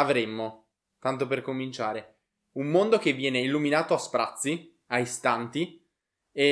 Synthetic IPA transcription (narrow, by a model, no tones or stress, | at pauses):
avɾemːo | t̪ant̪operkomint͡ʃaːɾe | umːond̪ok̟evːjɛːneilːuminaːt̪oaspɾa̰t̪sːi | ajst̪ant̪i | e